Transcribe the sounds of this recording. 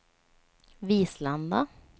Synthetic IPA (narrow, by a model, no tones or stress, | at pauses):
viːsland̪a